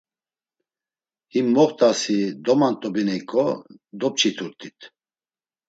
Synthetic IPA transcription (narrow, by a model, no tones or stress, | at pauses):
himːɔχt̪ʼasid̪ɔmant̪ʼɔbinɛikʼɔd̪ɔp̚t͡ʃʰit̪ʰuɾt̪ʼit̪ʰ